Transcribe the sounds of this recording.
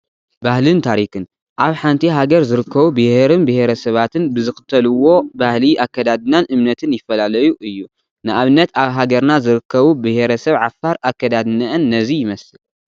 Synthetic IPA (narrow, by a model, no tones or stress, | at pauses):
bahlɨnt̪ʰaɾikɨn | ʔaβħant̪ʰiɦaɡɐɾzɨɾɨkʰːɐβubɨheɾɨnbɨhe̞ɾɐsɐβat̪ʰɨnbɨzɨxɨ̥t̪ʰːɐluwo̞bahliʔakːɐd̪ad̪ɨnanʔɨmnɐt̪ʰɨnjɪfːɐlalɐjuʔɨjːu | nɨʔaβɨnːɐt̪aβɦaɡɐɾnazɨɾɨkːɐβubɨhe̞ɾɐsɐβʕafːaɾakːɐd̪ad̪nɐʔɨnːɐzijɪmɐsɨl